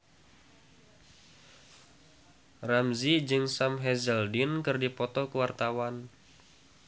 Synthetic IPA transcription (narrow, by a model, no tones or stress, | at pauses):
ramzid͡ʒɨŋsamɦɛzɛldinkɨrdipɔt̪ɔkəwart̪awan